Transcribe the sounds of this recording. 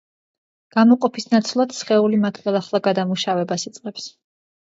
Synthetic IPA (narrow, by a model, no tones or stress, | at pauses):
ɡ̥amɔqʼɔpʰisnat̪sʰlˠad̪̥sχɛulimat̪ʰχɛlˠaχlˠaɡad̪amuʃavɛbasit̪sʼqʼɛps